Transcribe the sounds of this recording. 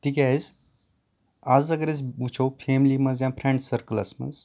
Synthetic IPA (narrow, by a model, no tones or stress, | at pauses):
t̪ikʲaːjz | azɐɡəɾes̬ut͡ʃʰopʰeːmlimɐzjãːpʰɾẽɳɖsɐɾkəlɐ̰smɐ̰z